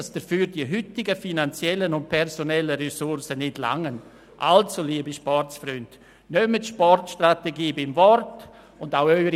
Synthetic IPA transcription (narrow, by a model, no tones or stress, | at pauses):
asd̥əfyːɾdiəɦʏtɪɡəfinant͡sjɛlːənʊnt̚pʰɛɾsonɛlːəɾɛsʊɾsənɪtla̰ŋən | ʔa̰lt͡suliəbiʃpɔrtsfɾʏnd | nœmətʃpɔrtʃtrateɡiːbɪmvɔrt | ʊndaʊœʏɾ